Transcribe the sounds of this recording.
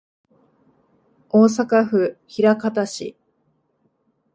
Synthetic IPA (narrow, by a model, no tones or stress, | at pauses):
oːs̬akaɸɯ̟çiɾakat̪aɕḭ